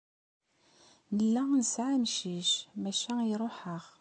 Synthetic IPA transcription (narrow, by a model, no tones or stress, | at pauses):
nəlːænəsʕamʃiʃmæʃæjiɾˤoħəʁ